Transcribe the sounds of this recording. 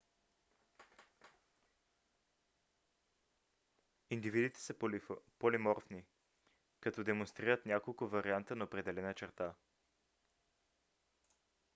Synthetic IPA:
ind̪ivid̪it̪ɛ̥səpolimɔɾfni | kɐt̪ɔd̪ɛmonst̪ɾiɾət̪nʲakolˠkʊvɐɾiant̪ənɐopɾɛd̪ɛlɛnət͡ʃɛɾt̪a

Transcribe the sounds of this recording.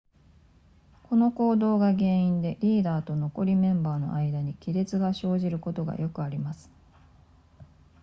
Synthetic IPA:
ko̞no̞ko̞ːd̪o̞ːɡaɡẽ̞ɰ̃ĩnd̪e̞ɾʲiːd̪aːt̪o̞no̞ko̞ɾʲimẽ̞mbaːno̞̰ʔaid̪aɲ̟ikʲiɾe̞t͡sɨɡaɕo̞ːʑiɾɯ̟ko̞t̪o̞ɡa̰jo̞kɯ̟aɾʲimasɨ̥

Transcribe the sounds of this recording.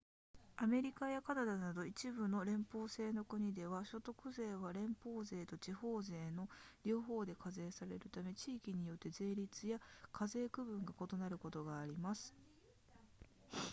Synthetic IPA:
ame̞ɾʲikajakanad̪anad̪o̞it͡ɕibɯ̟no̞ɾẽ̞mpo̞ːse̞ːno̞kɯ̟ɲ̟id̪e̞βaɕo̞t̪o̞kɯ̟ze̞ːβaɾẽ̞mpo̞ːze̞ːt̪o̞t͡ɕiho̞ːze̞ːno̞ɾʲo̞ːɦo̞ːd̪e̞kʰaze̞ːsaɾe̞ɾɯ̟t̪ame̞t͡ɕiːkʲiɲ̟ijo̞t̪ːe̞ze̞ːɾʲit͡sɨjakʰaze̞ːkɯ̟bɯ̟̃ŋɡako̞t̪o̞naɾɯ̟ko̞t̪o̞ɡaːɾʲimasɨ̥

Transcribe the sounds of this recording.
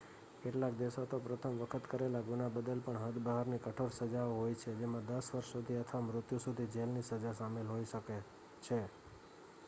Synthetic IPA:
keʈlak̚d̪esot̪opɾət̪ʰəmʋəkʰət̪kəɾelaɡunabəd̪əlpəɳɦəd̪bəɦaɾnikəʈʰoɾsəd͡ʒaoɦojt͡ʃʰed͡ʒemãd̪əsʋəɾʃsud̪ʱiət̪ʰʋamɾʊt̪jusud̪ʱid͡ʒelnisəd͡ʒasamelɦoiʃəke | t͡ʃʰe

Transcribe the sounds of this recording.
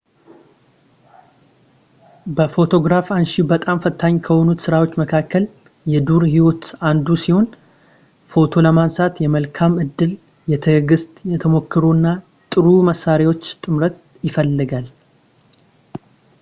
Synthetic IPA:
bəfo̞t̪ʰo̞ɡɾafanʃibət̪ʼamfət̪ʰːaɲːkʰəho̞nut̪sɨɾawo̞t͡ʃːməkʰakːəl | jɛd̪uɾhiwot̪and̪usiho̞n | fo̞t̪ʰo̞ləmansat̪jɛməlkʰamɨd̪ːɨl | jɛt̪ʰəɡɨst̪ʼjɛt̪ʰəmo̞kʰːɨɾuɨnːa | t̪ʼɨɾuməsaɾewo̞t͡ʃːt̪ʼɨmɾət̪̚ | jɪfəlːɨɡal

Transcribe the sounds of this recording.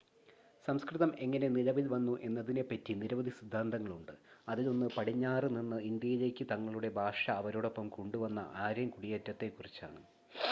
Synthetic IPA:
sɐmskrɨðɐme̞ŋːɐne̞nilɐʋilʋɐnːuʔe̞nːɐðine̞pːɐtːiniɾɐʋɐðʱisid̪ʱːaːnd̪ɐŋːɐɭuɳɖɨɐðilo̞nːɨpɐɽiɲːaːrɨninːɨind̪jɐjile̞ːkʲːɨt̪ɐŋːɐɭuɽe̞bʱaːʂɐːʋɐɾoːɽo̞pːɐmkuɳɖuʋɐnːɐ̰ʔaːɾjɐmkuɽijɐtːɐt̪ːe̞kːurit͡ɕːa̰ːɳɨ

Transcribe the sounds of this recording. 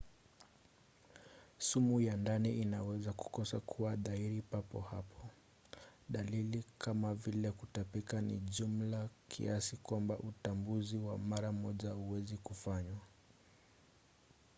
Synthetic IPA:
sumujandaniinawɛzaku̥kɔsakʰuwaðaiɾipapɔhapʰɔ | ɗalilikʰamavilɛkutapikanḭʄum̩lakʰḭasikwambaʔutambuziwamaɾamɔʄauwɛzikufaɲwa

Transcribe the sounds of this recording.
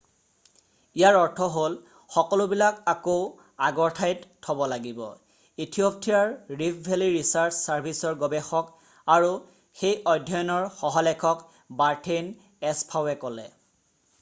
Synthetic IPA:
ijaɹɔɹtʰɔɦol | xɔkɔlʊbilakako | aɡɔɹtʰajttʰːɔbɔlaɡibɔ̰ | itʰiop̚tijaɹɹipʰbʱeliɹisaɹt͡ʃsaɹbʱisɔɹɡɔbɛxɔk | aɹu | xejɔjdʱɔjɔnɔɹxɔɦɔlɛkʰɔk | baɹtʰen | ɛspʰawɛkɔlɛ̰

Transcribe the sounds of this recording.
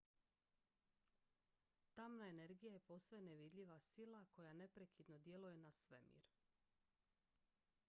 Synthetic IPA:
t̪amnae̞ne̞ɾɡijaje̞po̞sojeneʋid̪ʎʲiʋasilˠakʰo̞jane̞pɾe̞kid̪no̞d̪je̞lujenasʋe̞mḭːɾ

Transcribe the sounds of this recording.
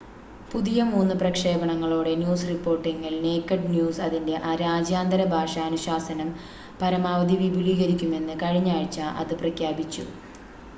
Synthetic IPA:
puðijɐmuːnːɨprɐkʂeːbɐɳɐŋːɐɭoːɽe̞njuːsripːo̞ːrʈːiŋːilne̞ːkːɐɖnjuːsɐðinde̞ʔaɾaːd͡ʑjaːnd̪ɐɾɐbʱaːʂɐːnuɕaːsɐnɐm | pɐɾɐmaːʋɐd̪iʋibʱiliːɣɐɾikʲːume̞nːɨkɐɻiɲːaːɻit͡ɕːaʔɐ̰ðɨprɐkʰjaːbit͡ɕːṵ

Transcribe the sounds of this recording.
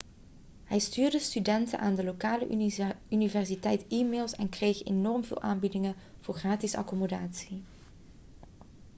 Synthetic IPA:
hɛjstyːrdəstydɛntə̰nʔaːndəlokaːlə̰ynivɛrsitɛjtiːmeːlˠsɛnkrejxḛnɔɹmvɪ̰ːlˠʔa̰ːnbidɪŋə | v̥ʊːɹχraːtɪsɑ̰kɔmodaːtsi

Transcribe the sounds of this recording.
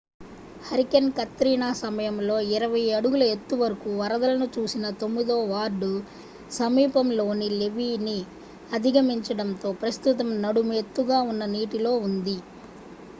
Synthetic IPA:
hɐɾikɐnkɐt̪ːɾiːɳaːsɐmɐjɐmlo̞ːiɾɐʋɐjɐɽuɡulɐet̪ːuʋɐɾɐkuʋɐɾɐd̪ɐlɐnut͡ʃuːsinɐt̪o̞mːid̪oːʋaːɾɖu | sɐmiːpɐmlo̞ːnile̞ʋiːni | ɐd̪ʱiɡɐmiɲt͡ʃɐɽɐnt̪o̞ːpɾɐst̪ut̪̬ɐmnɐɽumet̪ːuɡaːunːɐniːʈilo̞ːund̪i

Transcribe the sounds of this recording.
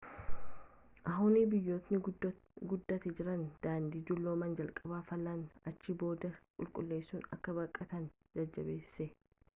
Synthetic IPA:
ʔɐɦʊːniːbɪjːo̞ːt̪nɪ | ɡʊd̪ːɐt̪ɛd͡ʒɪɾɐnd̪̥aːnd̪iːd̪ʊlːo̞ːmɐnd͡ʒɐlkʼɐbaːfɐlːanɐt͡ʃːibo̞ːd̪ɐkʼʊlkʼʊlːe̞ːsːuːnɐ̰kːɐbɐkʼːɐt̪ɐn | d͡ʒɐd͡ʒːɐbe̞ːsːɛ

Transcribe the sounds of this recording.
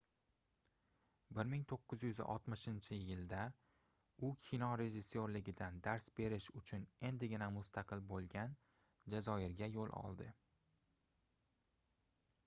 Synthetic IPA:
bɪɾmɪŋt̪ʰoqːɨzjʊzʔɒ̰t̪mɪʃɪnt͡ʃʰɪjɪld̪a | ʊkʲʰinɒɾe̞ʒɪsːoɾlɪɡʲɪd̪and̪aɾsbe̞ɾɪʃʊt͡ʃʰʊne̞nd̪ɪɡʲɪnamʊst̪ʰaqʰɨlbolˠɡʲan | d͡ʒazɒɪɾɡʲajolˠʔɒ̰lˠd̪ɪ

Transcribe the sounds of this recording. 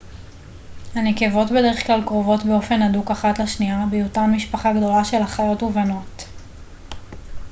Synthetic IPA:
haneke̞vo̞tbe̞deʁeχklalkʁovo̞tbe̞o̞fe̞nadukaχatlaʃniabejotanmiʃpaχaɡdo̞laʃe̞lhaχajo̞tuvano̞t

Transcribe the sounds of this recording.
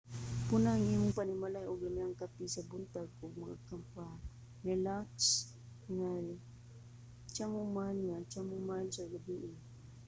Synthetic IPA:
pʊnaŋimʊŋpanɪmalajʊɡlamiaŋkapisabʊnt̪aɡʊɡ̚maɡakampa | ɾɛlaks | ŋaj | t͡ʃamʊmalŋat͡ʃamʊmaalsaɡabiʔɪ

